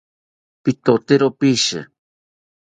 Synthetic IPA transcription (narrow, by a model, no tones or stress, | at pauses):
pit̪ot̪eɾopiʃɨ̰